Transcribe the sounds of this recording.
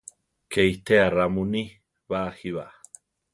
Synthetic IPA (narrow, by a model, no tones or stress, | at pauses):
kʰejt̪ʰearamuni | βahiβa̰